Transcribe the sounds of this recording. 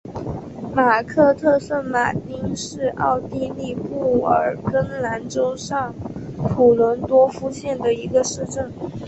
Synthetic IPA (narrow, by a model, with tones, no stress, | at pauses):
ma˨˩kʰɤ˥˧t̪ʰɤ˥˧sə˥˩nma˨˩t̪i˥ŋʂɻ̩˥˧ɑ˥˧ʊt̪i˥˧li˥˧pu˥˩ə̰˞˨˩kə˥nla˧˥nʈ͡ʂo˥ʊʂɑ˥˩ŋpʰu˨˩lwə˧˥nt̪wɔ˥fu˥ɕjɛ˥˩nd̪ə˩i˧˥ɡə˧ʂɻ̩˥˧ʈ͡ʂə˥˩n